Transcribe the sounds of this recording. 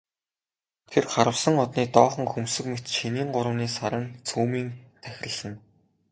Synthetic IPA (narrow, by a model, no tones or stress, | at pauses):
t̪ʰerχaɾə̆wsə̆ŋɔt̪niːt̪ɔːχə̆ŋxumsɘ̆kmet̪ʃiniːŋɢʊɾə̆wniːsaɾə̆nt͡sʰuːmiːŋt̪ʰæxʲɪ̆rə̆ɮə̆n